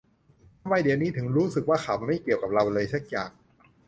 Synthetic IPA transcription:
waː˧˩jdi˨˦wniː˦˥t̪ʰɯ˩˦ŋɾuː˦˥sɯ˨˩k̚waː˥˩xʰaː˨˩wma˥˩jki˨˩əwka˨˩p̚ɾa˧wlɤː˧jsa˦˥k̚jaː˨˩k̚

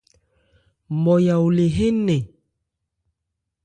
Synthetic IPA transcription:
mɔ˨ja˨wle˨ɦe˦ne˨

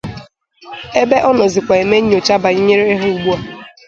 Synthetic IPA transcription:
e˦be˦ʔɔ˦nɔ˨zɪ˨kʷa˨e˨me˦ɲ˦ɲ˦o˨t͡ʃa˦ba˨i˦ɲe˦ɾe˦ɾe˦ɦe˦u˨ɡ͡bu˦a˦˨

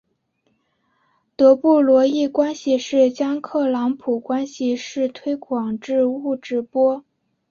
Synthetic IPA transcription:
t̪ɤ˧˥pu˥˩lwɔ˧˥i˥˩kwa˥nɕi˨ʂɻ̩˥˩t͡ɕjɑ˥ŋkʰɤ˥˩lɑ˧˥ŋpʰu˨˩kwa˥nɕi˨˧ʂɻ̩˥˩t̪ʰwe˥ɪkʰwɑ˨˩ŋʈ͡ʂɻ̩˥˧u˥˧ʈ͡ʂɻ̩˥˩pwɔ˥

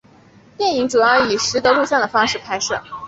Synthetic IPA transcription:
t̪jɛ˥˩ni˧˥ŋʈ͡ʂu˨˩jɑ˥˩ʊi˨˩ʂɻ̩˧˥t̪ɤ˧˥lu˥˧ɕjɑ˥˩d̪ə˩fɑ˥ŋʂɻ̩˥˩pʰa˥ɪʂɤ̰˥˩

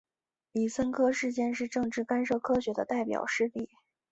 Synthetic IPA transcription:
li˨˩sə˥nkʰɤ˥ʂɻ̩˥˧t͡ɕjɛ˥˧nʂɻ̩˥˧ʈ͡ʂɤ˥˧ŋʈ͡ʂɻ̩˥˩ka˥nʂɤ˥˩kʰɤ˥ɕɥɛ˧˥d̪ə˧t̪a˥˩ɪpjɑ̰˨˩ʊʂɻ̩˥˧ti˥˩

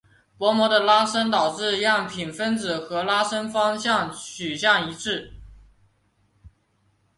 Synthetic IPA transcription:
pwɔ˧˥mwɔ˧˥d̪ə˧la˥ʂə˥nt̪ɑ˨˩ʊʈ͡ʂɻ̩˥˧jɑ˥˩ŋpʰi˨˩nfə˥nt͡sɹ̩˨˩xɤ˧˥la˥ʂə˥nfɑ˥ŋɕjɑ˥˩ŋt͡ɕʰy˨˩ɕjɑ˥˩ŋi˧˥ʈ͡ʂʰɻ̩˥˩

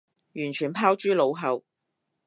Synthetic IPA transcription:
jyː˨˩nt͡ʃʰyː˨˩npʰaː˥wt͡ʃyː˥lo˨˧wɦɐ˨˧w

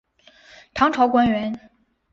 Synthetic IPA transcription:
t̪ʰɑ˧˥ŋʈ͡ʂʰɑ˧˥ʊkwa˥nɥɛ˧˥n

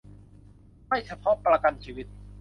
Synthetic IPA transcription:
ma˥˩jt͡ɕʰa˧pʰɔ˦˥pɾa˧ka˧nt͡ɕʰiː˧wi˦˥t̪̚

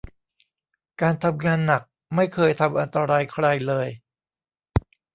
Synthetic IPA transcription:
kaː˧nt̪ʰa˧mŋaː˧nːa˨˩k̚ | ma˥˩jkʰɤː˧jt̪ʰa˧mʔa˧nt̪a˧ɾaː˧jkʰɾa˧jlɤː˧j

